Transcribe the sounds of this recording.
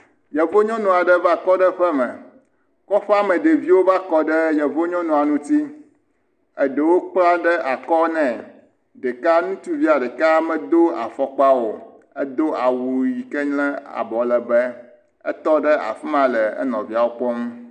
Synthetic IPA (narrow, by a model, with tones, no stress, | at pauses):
jɛ˨vo˦ɲɔ̃˦nũ˨a˨ɖɛ˦va˦kɔ˦ɖɛ˦ɸɛ˦mɛ̃˨ | kɔ˦ɸɛ˦a˦mɛ̃˨ɖe˨vi˦wo˦va˦kɔ˦ɖɛ˦jɛ˨vo˦ɲɔ̃˦nũ˨a˨nũ˦t̪i˦ | ɛ˦ɖɛ˨wo˦k͡pla˦ɖɛ˦ʔa˨kɔ˦nɛ̃˨ | ɖɛ˨ka˦nũ˦t̪u˦vi˦a˨ɖɛ˨ka˦mɛ̃˦d̪o˦a̰˨fɔ˦k͡pa˦wo˨ | ɛ˦d̪o˦a˨wu˨ji˨kɛ˦ɲlɛ̃˦a̰˨bɔ˨lɛ˨bɛ˦ | ɛ̰˦t̪ɔ˦ɖɛ˦ʔa̰˨fi˦mã˨lɛ˨ɛ̰˦nɔ̃˨vi˦a˨wo˦k͡pɔ˦m˦